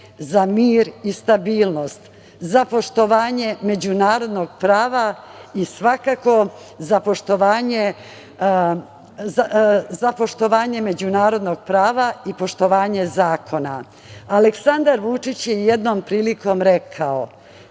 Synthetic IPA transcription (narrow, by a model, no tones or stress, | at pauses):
zamiːɾist̪abiːlno̞st̪ | zapo̞ʃt̪o̞ʋaːɲe̞me̞d͡ʑunaːɾo̞d̪no̞ɡpɾaːʋaisʋakako̞ | zapo̞ʃt̪o̞ʋaːɲe̞ | azapo̞ʃt̪o̞ʋaːɲe̞me̞d͡ʑunaːɾo̞d̪no̞ɡ̚pɾaːʋaipo̞ʃt̪o̞ʋaːɲe̞zaːkʰo̞na̰ | aleksand̪aɾʋut͡ʃit͡ɕjeje̞d̪no̞mpɾiːliko̞mɾe̞kʰao